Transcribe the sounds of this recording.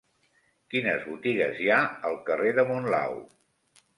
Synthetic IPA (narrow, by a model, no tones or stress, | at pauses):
kinəzβut̪iɣəzjaəlˠkəreðəmunla̰w